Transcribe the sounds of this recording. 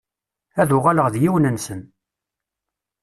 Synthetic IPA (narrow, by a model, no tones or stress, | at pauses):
æðʊʁaləʁðjiwnənsən